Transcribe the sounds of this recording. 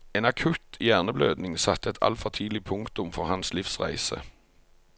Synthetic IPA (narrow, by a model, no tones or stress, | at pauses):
eːnɑkʰʉt̪jæːʁnəbløːd̪nɪŋsɑt̪ːəɛt̪ʰɑ̰lfɔʁt̪ʰiːd̪lɪpʰʊŋkt̪ʊmfɔʁhɑnslɪfsʁæ̰ɪsə̰